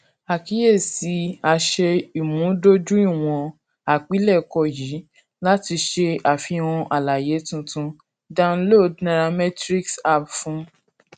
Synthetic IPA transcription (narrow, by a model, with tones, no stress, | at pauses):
a˨ki˨˦je˦˨si˨˧˦a˧ʃɛ˧i˨mũ˨˦do˦d͡ʒũ˦i˦˨w̃ɔ̃˧ | a˨k͡pi˨˦lɛ˦˨kɔ˦˨jiː˨˦ | la˦ti˧ʃe˧a˨fi˧w̃ɔ̃˧ʔa˨la˨je˨˦tũ˧tũ˧ | dã˧nlo˦˨dna˧ɾa˧mɛ˦tɾi˦ksa˦˨pfũ˦